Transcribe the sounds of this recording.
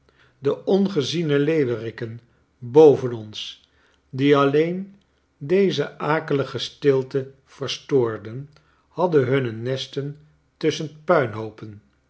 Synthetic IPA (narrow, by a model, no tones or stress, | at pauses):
dəɔnχəzinəlejʋərɪkən | bowvənɔns | diɑlejn | dejzəʔaːkələχəstɪlˠtə | v̥əɹstʊːɹdən | hɑdəɦɵnənɛstən | tɵsənpœɥnɦowpən